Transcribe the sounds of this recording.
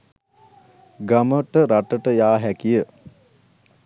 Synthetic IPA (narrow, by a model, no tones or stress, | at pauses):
ɡaməʈəɾaʈəʈəjaːɦækijə